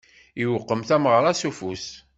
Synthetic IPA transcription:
iwəqːəmθæmʁɾˤæsufus

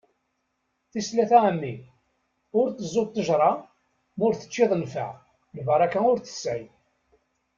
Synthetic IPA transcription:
θislæθæʕəmːi | ʊɾθəzˤːot̪ˤːəʒɾˤɑ | mʊɾθə̥t͡ʃːɪðˤənfə̰ʕ | ləvəɾˤɑkæʊɾθə̥sːʕɪj

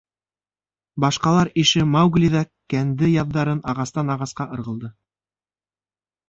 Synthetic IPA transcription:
bɑʃqɑlˠɑɾiʃɘmawɡlʲiðɑ | kænd̪ɘjɑðːɑɾɤnɑʁɑst̪ɑnɑʁɑsqɑʔɤ̆ɾʁɤ̆lˠd̪ɤ

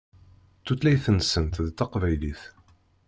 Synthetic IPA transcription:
t̪ːut̪læjθənəsːənt̪ðt̪ːɑqvæjliθ

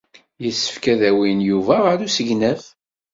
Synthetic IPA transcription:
jəsːə̥fkæðæwinjuvæʁəɾusəʝnæf

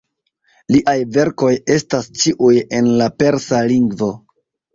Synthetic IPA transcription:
liʔajve̞ɾko̞je̞stast͡ʃiʔuje̞nlape̞ɾsaliŋɡvo̞

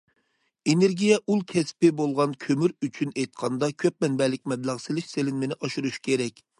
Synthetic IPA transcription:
eneɾɡʲijɛʔulˠkʲʰɛspɪbolˠʁɑnkʲʰømyɾyt͡ʃʰynejt̪̚qʰɑnd̪ɑkʲʰøp̚mɛnbɛlɪk̚ʲmɛblæʁselɪʃselɪnmenɪʔɑʃuɾuʃkʲʰeɾɛkʲ

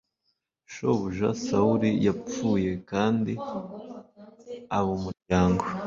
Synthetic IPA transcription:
ʃo̞βuʒa̰sauɾijap͡fuːje̞kaːndi | aβumuɾɟaːŋɡo

